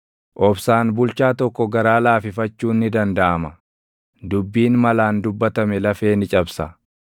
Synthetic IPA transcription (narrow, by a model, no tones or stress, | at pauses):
ʔɔbsaːnbʊlt͡ʃaːt̪ɔkːɔɡɐɾaːlaːfɪfɐt͡ʃːuːnːɪd̪ɐnd̪ɐʔɐmɐ | d̪ʊbːiːnmɐlaːnd̪ʊbːɐt̪ɐmɛlɐfeːnɪt͡ʃʼɐbsɐ